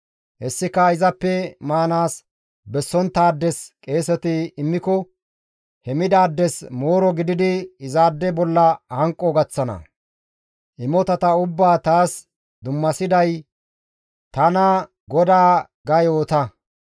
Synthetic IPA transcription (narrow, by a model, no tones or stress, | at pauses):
hɛsːɪkɐɪzɐpːɛmaːnaːs | bɛsːɔnt̪ːaːd̪ːɛskʼe̞ːsɛt̪ɪɪmːɪkɔ | hɛmɪd̪aːd̪ːɛsmoːɾɔɡɪd̪ɪd̪ɪɪzaːd̪ːɛbɔlːɐhɐŋkʼːɔɡɐt͡sːɐnɐ̰ | ʔɪmɔt̪ɐt̪ɐʊbːaːt̪aːs | d̪ʊmːɐsɪd̪ɐj | t̪ɐnɐ | ɡɔd̪aː | ɡɐjoːt̪ɐ